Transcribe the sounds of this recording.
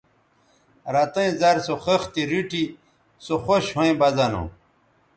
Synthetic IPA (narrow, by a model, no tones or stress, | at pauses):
ɾat̪ɐĩzaɾsoxext̪iɾiʈi | soxoɕhõĩbɐzanõ̰